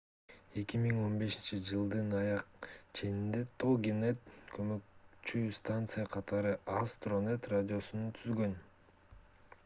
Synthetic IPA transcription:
e̞kʲimiŋo̞nbe̞ʃint͡ʃid͡ʒɯlˠd̪ɯnɑjɑqt͡ʃʰe̞nind̪e̞t̪ʰoɡʲinet̪kʰø̞møkt͡ʃyst̪ant̪sɨjaqʰɑt̪ɑɾɯʔɑst̪ro̞net̪radʲio̞sunut̪ʰyzɡø̞n

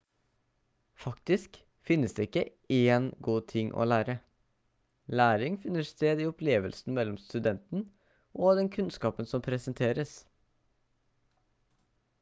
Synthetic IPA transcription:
fɑkt̪ɪsk | fɪnːəsd̪eːɪkːə | eːnɡuːt̪ʰɪŋʔo̰ːlæːɾə | læːɾɪŋfɪnəʂt̪eːd̪iːɔpʰleːʋəlsn̩mɛlːɔmst̪ʉd̪ɛnt̪n̩ | ʔɔːd̪ɛnkʰʉnskɑːpənsɔmpʰɾɛsənt̪ʰeːɾəs

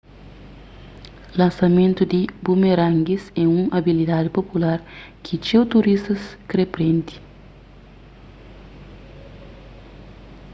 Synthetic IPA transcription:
lɐ̃nsɐmẽnt̪ud̪ibumeɾãŋɡisɛũŋabilid̪ad̪ipopulaɾkʰit͡ʃewt̪uɾist̪ɐskɾepɾẽnt̪i̥

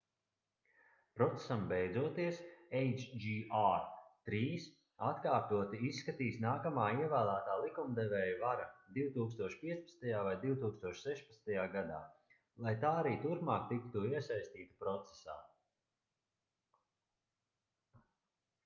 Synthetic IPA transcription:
pɾɔt̪se̥sambɛjd̪zuɔt̪iɛsejt͡ʃd͡ʒiat̪ɾiːs | at̪kaːɾt̪uət̪iisːkat̪iːsnaːkamaːiɛvæːlˠæːt̪aːlˠikumd̪ɛvɛːjvaɾad̪iwt̪uːkst̪uɔʃpiɛspɐt̪st̪ajaːvajd̪iwt̪uːkst̪uɔʃsɛʃpɐt̪st̪ajaːɡad̪a̰ː | lˠajt̪aːaɾiːt̪uɾpmaːkt̪ikt̪uiɛsajst̪iːt̪u̥pɾɔt̪se̥sa̰ː

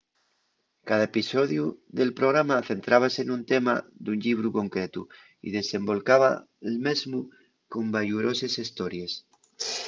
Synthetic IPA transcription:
kaðaepisoðjuðe̞lpɾoɣ̞ɾamaθe̞nt̪ɾaβ̞aseːnunt̪ema̰d̪unʎiβ̞ɾuko̞ŋkɾet̪u | ḭðe̞se̞mbo̞lkaβa | elmezmu | ko̞mbaʎuɾosesist̪oɾjes

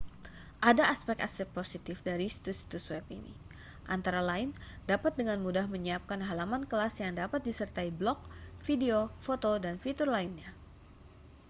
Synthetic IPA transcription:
ʔadaːspɛk̚t̪asɛk̚posit̪ɪfdaɾisi̥t̪usi̥t̪uswɛpḭnḭ | ʔa̰nt̪aɾalaɪndapat̪̚dəŋanmudahməɲəap̚kanɦalamankəlasjaŋdapat̪̚disərt̪aiblɔk̚fideofot̪odanfit̪urlainɲa

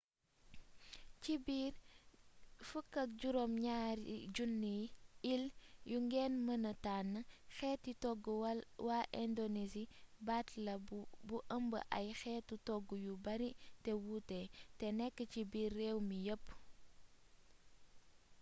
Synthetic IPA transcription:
cibiːr | fəkːɐk̚ɟuɾɔmɲaːɾḭɟunːiiljuŋɡɛːnmɐnɐtaːnːɐxɛːtːitɔɡːuwaʔɛndonisibatlɐbuʔəmbə̰ʔɐjxɛːtːutɔɡːujubɐɾitɛwutɛtɛnɛkːəcibiːrːɛːwmijəpː

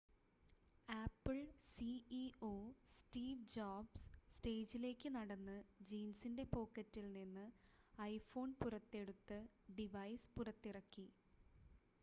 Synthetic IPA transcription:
aːpːɨɭsiio̞ːstiːʋd͡ʑaːbsste̞ːd͡ʑile̞ːkʲːɨnɐɽɐnːɨd͡ʑiːnsinde̞po̞ːkːɐtːilninːɨɐjfo̞ːnpurɐt̪ːe̞ɽut̪ːɨɖiʋɐjspurɐt̪ːirɐkːi

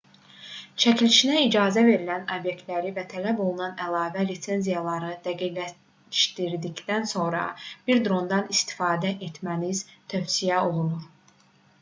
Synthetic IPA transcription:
t͡ʃʰæcʰiliʃinæid͡ʒɑːzæve̞ɾilænobje̞k̚t̪læɾivæt̪ʰælæbo̞lˠunɑnælˠɑːvælise̞nzijɑlˠɑɾɯd̪æɡiɡæ | ʃt̪iɾd̪içd̪ænso̞nɾɑ̰b̥iɾd̪ɾo̞nd̪ɑnist̪i̥fɑːd̪æʔet̪ʰmæniz̥t̪ʰøfsijæo̞lˠunuɾ

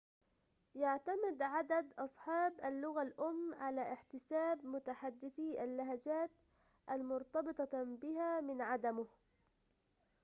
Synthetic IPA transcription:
jaʕt̪amɪd̪ʕad̪ad̪ʔɑsˤħɑːbʔalːʊɣalʔʊmːʕalaːʔɪħt̪ɪsaːbmʊt̪aħad̪ːɪθiːʔalːaɦad͡ʒaːt̪ | ʔalmʊɾt̪ɑbɨt̪ˤɑbɪɦaːmɪnʕad̪amʊh

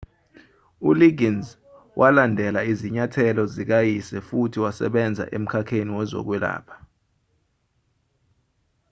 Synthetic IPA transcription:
uliɡinz | wʔalandʱɛlaiziɲatʰɛlɔzik̬ajisɛfutʰiwasɛ̰ɓɛnd͡zʱa̰ʔem̩kʰakʰeniwɛzɔ̰k̬wɛla̰ːpʰḁ

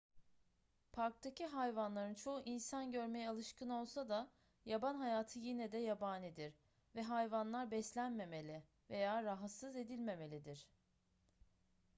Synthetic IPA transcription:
pʰaɾk̚t̪ʰaciɦajvanlˠaɾɯnt͡ʃʰo̞uʔinsanɟø̞ɾmejɛalˠɯʃkɯno̞lˠsad̪a | jabanɦajaːt̪ʰɯjinɛd̪ɛjabaːnid̪iɾ | vɛɦajvanlˠaɾbɛslʲænme̞me̞lʲɪ | ve̞jaːɾaɦat̪sɯze̞d̪ilʲme̞me̞lʲid̪iɾ̥

